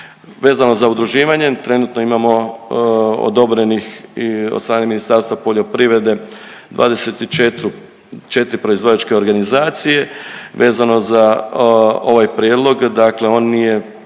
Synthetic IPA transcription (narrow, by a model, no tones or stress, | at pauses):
ʋe̞ːzano̞zaud̪ɾuʒiːʋaɲe̞t̪ɾe̞nut̪no̞imamo̞ | o̰d̪o̞bɾe̞nixio̰d̪st̪ɾaːne̞minist̪aɾst̪ʋapo̞ʎo̞pɾiʋɾe̞d̪e̞d̪ʋa̰ːd̪e̞set̪it͡ʃet̪ɾu | t͡ʃe̞t̪ɾipɾo̞izʋo̞dat͡ʃke̞o̞ɾɡanizaːt̪sije̞ʋe̞ːzano̞za | o̞ʋajpɾijed̪lˠo̞ɡd̪akle̞o̞ːnːije̞